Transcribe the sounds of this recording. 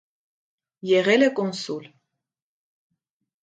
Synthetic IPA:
jɛʁɛlɛkʼɔnsulʲ

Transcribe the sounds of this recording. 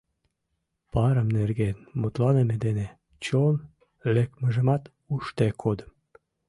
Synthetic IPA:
pɑɾəmnerɣenmot̪lɑnemed̪ene | t͡ɕon | lekməʒəmɑt̪ | uʃt̪ekʰod̪əm

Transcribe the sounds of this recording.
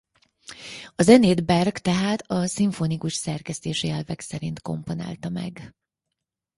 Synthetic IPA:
ɒzɛneːd̪bɛrɡt̪ɛɦaːt̪ɒsiɱfonikuʃsɛrkɛst̪eːʃiɛlvɛksɛɾint̪ko̞̰mpo̞na̰ːlt̪ɒmɛ̰ɡ

